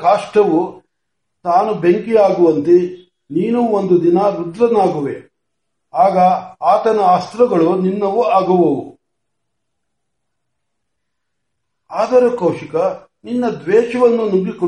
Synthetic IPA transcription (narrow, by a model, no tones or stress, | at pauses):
aːʂʈɐʋu | naːnubeŋkijaːɡuʋɐnt̪e | niːnuond̪ud̪inɐɾud̪ɾɐnaːɡuʋe | aːɡɐaːt̪ɐnɐːst̪ɾɐɡɐɭuninːɐʋuaːɡuʋɐʋu | aːd̪ɐɾukɐwʂikɐ | ninːɐd̪ʋɛːʃɐʋɐnːunuɡikɔ